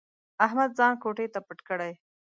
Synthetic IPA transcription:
aɦmad̪̚zɑːnkoʈet̪apəʈkəɽaj

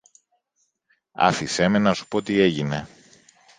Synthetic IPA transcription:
ɐ̰fisemensu̥po̞ot̪ie̞ʝine̞

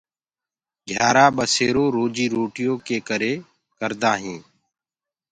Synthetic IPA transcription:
ɡʱjaːɾaːɓəseːɾoːɾoːd͡ʒiːɾoːʈɪjõːkeːkəɾeː | kəɾd̪aːɦĩː

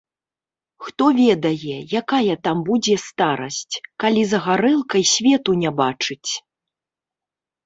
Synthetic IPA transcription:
xt̪ɔvʲɛd̪ɐjɛjakajɐt̪ambud͡zʲɛst̪aɾɐsʲt͡sʲkalʲizɐɣaɾɛlˠkɐjsʲvʲɛt̪unʲabat͡ʂɨt͡sʲ

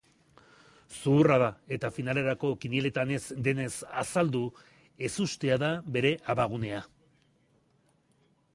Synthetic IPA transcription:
suːraðae̞t̪afinale̞ɾako̞kiniele̞t̪ane̞zd̪e̞ne̞sasald̪u | e̞sust̪e̞aðaβe̞ɾe̞ʔaβaɣ̞une̞a

